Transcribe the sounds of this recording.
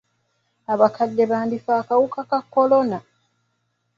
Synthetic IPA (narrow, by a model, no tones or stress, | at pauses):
aβakʰadːeβaːndifaːkawukakakːo̞lo̞na